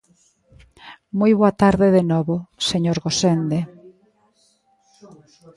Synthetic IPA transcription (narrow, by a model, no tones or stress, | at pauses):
mojβoat̪aɾðeðenɔβoseɲoɾɣosend̪e